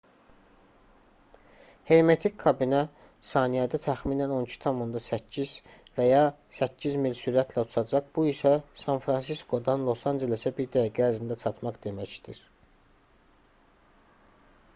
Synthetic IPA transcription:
he̞ɾme̞t̪ʰikʰːɑbinæ | sɑːnijæd̪æt̪ʰæxminæno̞nicʰi̥t̪ʰɑmond̪ɑsæcʰːiz̥ | væjɑ | sæcːizmilsyɾæt̪ʰlæu̥t̪ʰɑd͡ʒɑχb̥uisæsɑnfɾɑns̬iskʰo̞d̪ɑnlˠo̞sɑnd͡ʒe̞lesæbiɾd̪æjæɡææɾzind̪æt͡ʃʰɑt̪mɑχd̪e̞mæçd̪̥iɾ

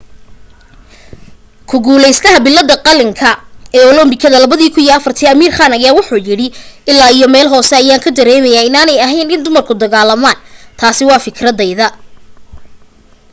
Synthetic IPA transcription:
kʰʊɡuːlɛjst̪ʰɐɦɐbɪlːɐd̪ɐqɑlɪŋkʰɐɛːɔlɔmbɪkʰɐðɐlɐβɐðiːkʰʊniːɛɐfɐrt̪ʰiːɐmiːrχaːnɐjaːwʊħuːjɪɽɪʔɪlːaːijɔmɛːlɦɔːsɛɐjaːŋkʰɐd̪ɐɾɛːmɛjaːɪnaːnɛjɐɦɛjnɪnd̪ʊmɐrkʰʊd̪ɐɣaːlɐmaːnt̪ʰaːsɪwɑːfɪkʰɾɐd̪ɛjðɐ

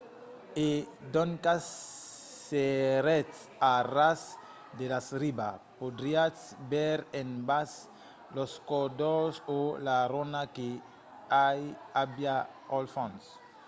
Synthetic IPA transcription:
ed̪oŋkasː | eɾɛt | aras | d̪elasɾibapod̪ɾia | bɛɾenbas | loskod̪osolaɾonake | ajabja | olfɔ̃ns

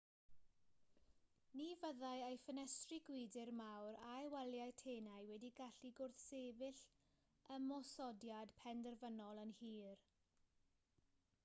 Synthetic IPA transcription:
nivəðajejfənɛstriɡwɪdɪrmawɾajwɛljajtʰeːnajwɛdiɡaɬiɡʊrθseːvɪɬ | əmɔsɔdjadpʰɛndərvənɔlˠənhiːr

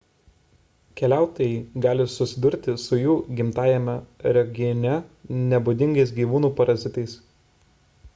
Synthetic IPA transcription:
kʲɛlʲæˑʊt̪ojɛɪɡɑːlʲɪsʊsʲɪd̪ʊɾʲt̪ʲɪsʊjuːɡʲɪmt̪ɑːjɛmʲɛɾʲɛɡʲɪɔnʲɛnʲɛbʊd̪ʲɪŋɡɐɪs̬ɡʲiːʋuːnuːpɐɾɐzʲɪt̪ɐɪs

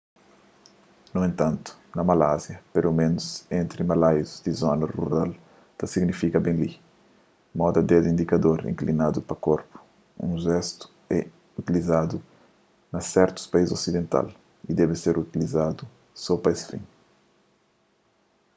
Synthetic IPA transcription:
nuẽnt̪ãnt̪u̥nɐmalazjɐpelomẽnusẽnt̪ɾimalajuzd̪izɔnɐrṵɾal | t̪ɐsiɡnifikɐbẽnli | mɔd̪ɐd̪ɛd̪ĩnd̪ikɐd̪oɾḭ̃ŋklinad̪upɐkoɾpu̥ | ṵ̃ʒɛst̪u̥ | ɛ | ut̪ilizad̪u | nɐsɛɾt̪u̥spɐizzosid̪ẽnt̪a̰l | id̪ɛbɪseɾut̪ilizad̪u | sɔpɐesfḭ̃n

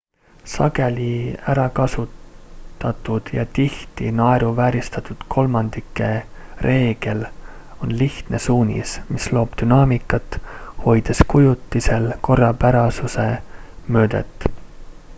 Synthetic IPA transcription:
sɑ̰ɡe̞lʲiæɾɑkɑsut̪ːɑt̪ːˑud̪̥jɑ̰t̪iht̪ḭnɑeɾuvæːɾist̪ɑt̪ːˑud̪̥kʰo̞lmɑnd̪̥ikːˑe̞re̞ːɡ̥e̞lo̞nliht̪nesuːnʲḭsmislo̞ːb̥d̪̥ynɑːmikːˑɑt̪ːho̞jd̪̥eskujut̪ˑːise̞lko̞rːɑpæɾɑsuse̞mø̞ːd̪̥e̞̰t̪ːˑ

